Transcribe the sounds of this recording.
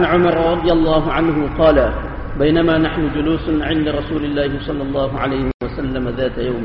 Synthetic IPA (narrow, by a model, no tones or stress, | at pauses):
nʕʊmɑɾˤɾˤɑd̪ˤɨjalˤːɑːɦʊʕanhʊqɑːla | bajnamaːnaħnʊd͡ʒʊluːsʕɪnd̪aɾˤɑsuːlɪlːaːhɪsˤɑlːɑlˤːɑːɦʊʕalajhɪwasalːamaðaːt̪ajawmɪ